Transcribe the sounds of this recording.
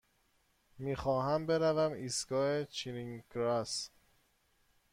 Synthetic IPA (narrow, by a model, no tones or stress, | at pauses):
miːxɒːɦæmbeɾævæmiːsɡɒːet͡ʃʰiniŋkɾæs